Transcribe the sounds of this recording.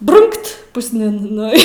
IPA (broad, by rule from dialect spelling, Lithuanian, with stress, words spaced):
ˈbrʊŋkt pʊsʲˈnʲɪn ˈnʊ ɪ